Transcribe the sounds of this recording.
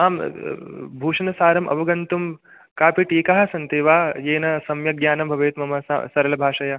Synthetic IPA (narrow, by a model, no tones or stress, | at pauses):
aːm | bʱuːʂɐnɐsaːɾɐmʔɐ̰ʋɐɡɐnt̪um | kaːpiʈiːkaɦɐ̆sɐnt̪eːʋaːjeːnɐsɐmjɐɡjaːnɐmbʱɐʋeːt̪mɐmɐssɐɾɐlɐbʱaːʂɐjɐ